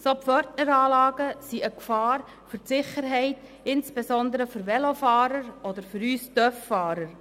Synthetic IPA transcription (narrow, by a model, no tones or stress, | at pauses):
sopfœɾtnəɾɑːlɑːɡ̥əsiəkfɑːɾ | fʏɾtsɪχəɾɦɛɪt | ɪnsb̥esɔnd̪əɾəfʏɾʋɛlofɑːɾəɾɔdəɾfʏɾyːstœfːfɑːɾəɾ